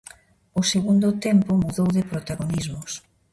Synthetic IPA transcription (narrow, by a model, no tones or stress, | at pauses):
ʊseɣund̪ʊt̪ɛmpʊmuðowðɪpɾot̪aɣonizmʊs